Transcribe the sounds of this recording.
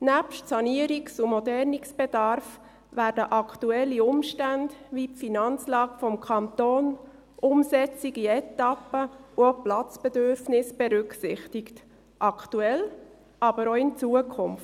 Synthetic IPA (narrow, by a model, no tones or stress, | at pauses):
næpʃtsɑniəɾiksumɔdɛɾniksb̥ɛd̥ɑɾf | ʋæːɾdəʔɑkʰtuɛlːiʊmʃtændʋipfinɑnt͡slɑːɡ̥əfɔmkʰɑnt̪oːn | ʔʊmsɛt͡siɡiɛt̪ːɑpəuoplɑt͡sb̥ɛdøɾfnɪsb̥ɛɾʏksɪχtɪkt | ʔɑkʰtuɛl | ʔɑbəɾoɪnt͡suəkʰʊmft